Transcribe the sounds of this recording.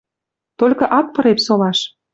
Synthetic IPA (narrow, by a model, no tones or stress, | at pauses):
t̪olʲkɤ̆ʔɑk̚pɤ̆ɾepsolɑʃ